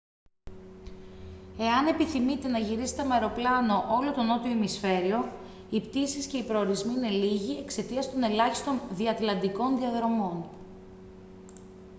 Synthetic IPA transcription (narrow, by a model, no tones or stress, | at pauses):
e̞ɐne̞piθimit̪e̞nɐʝiɾise̥t̪emɐeɾo̞plɐno̞ʔo̞lo̞t̪o̞no̞t̪ioemisfe̞ɾio̞ | ipt̪isisce̞ipɾo̞ːɾizmiine̞liʝie̞kse̞t̪iɐst̪o̞ne̞lɐçist̪o̞nðiɐt̪lɐnd̪iko̞nðiɐðɾo̞mo̞n